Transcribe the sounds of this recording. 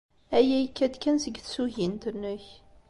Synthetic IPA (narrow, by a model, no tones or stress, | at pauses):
æjæjkːæd̪kːænsəɡθsuʝint̪ənːʊç